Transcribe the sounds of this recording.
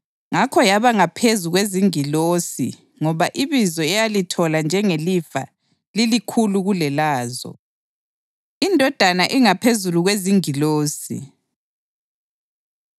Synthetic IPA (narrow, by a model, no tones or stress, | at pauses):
ŋakʰɔjaβaŋapʰezuɣweziŋiloːsḭ | ŋɔβaʔiβizɔɛjalitʰɔland͡ʒʱɛŋelifa̰ | lilikʰuluɣulɛlaːzɔ̰ | indʱɔd̥ʱanaʔiŋapʰezuluɣweziŋiloːsḭ